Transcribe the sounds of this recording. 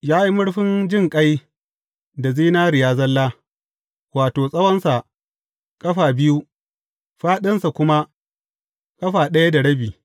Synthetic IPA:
jaː˦ji˦mʊ˦ɽɸɪ˦nd͡ʒɪ˦˨ŋkʼa˦j | da˨ziː˦naː˦ɾɪ˨jaː˦zɐ˦lːaː˦ | waː˨toː˨sʼɐ˦wɐ˦nsa˨ʔ | kʼɐ˦ɸaː˨bɪ˦ju˦ | ɸaː˦ɗɪ˦nsa˨kʷʊ˦ma˦ | kʼɐ˦ɸaː˨ɗɐ˦ja˦da˨ɽɐ˦biː˨

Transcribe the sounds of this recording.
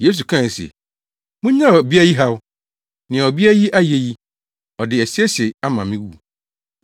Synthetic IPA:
je˦s̬u˨kʰã˦˨sḛ˨ | mũ˦ɲã˦ɔ˨bi˦a˦ji˦ɦa˦w | nɪ̃˨a˨ɔ˨bi˦a˦ji˦ʔa˦je˨ji˦ | ɔ˨dɪ˨ɛ˨si˦ɛ˦ɕe˨a˦mã˨mɪ̃˦wu˦˨

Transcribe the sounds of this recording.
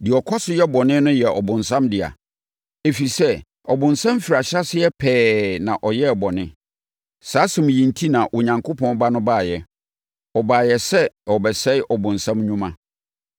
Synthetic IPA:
dɪ˨ɔ˨kʰɔ˦sʊ˦jɛ˦bɔ˨nɪ̃˦nʊ̃˦jɛ˨ʔɔ˨bʊ̃˨nsã˦mdɪ˨a̰˨ | e˨fi˨sɛ˦ | ɔ˨bʊ̃˨nsã˦m˦fi˨ɾa˨ɕa˦sɪ˦jɛ˦pʰɛː˦nã˨ʔɔ˨jɛ˦˨bɔ˨nɪ̃˦ | saː˦sɪ̃˨mʊ̃˨jĩ˨ntʰi˦nã˨ʔʊ˨ɲã˨ŋkʰo˦pʰɔ̃˦n˦ba˦nʊ̃˦baː˦˨jɛ˨ | ɔ˨baː˨jɛ˨sɛ˦ɔ˨bɛ˨sɛ˦ʔɔ˨bʊ̃˨nsã˦mɲũ˦mã̰˦

